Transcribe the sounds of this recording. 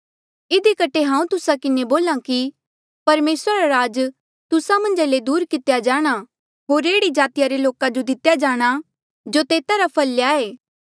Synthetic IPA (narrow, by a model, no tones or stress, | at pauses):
ɪd̪ikɐʈʰeɦãːũt̪ʊsakɪneboːlãki | pɐɾmeːsɾaɾaɾaːd͡ʒ | t̪ʊsamɐ̃nd͡ʒaled̪uːɾkɪt̪ejad͡ʒaːɽ̃a | ɦoːɾeːɽid͡ʒaːt̪ɪjaɾeloːkad͡ʒod̪ɪt̪jad͡ʒaːɽ̃a | d͡ʒot̪eːt̪aɾapʰɐljaːeː